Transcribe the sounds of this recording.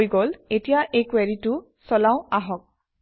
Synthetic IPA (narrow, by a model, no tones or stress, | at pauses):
jɡɔletijaʔekwɛɹitʊ | sɔlaʊ̃aɦɔk̚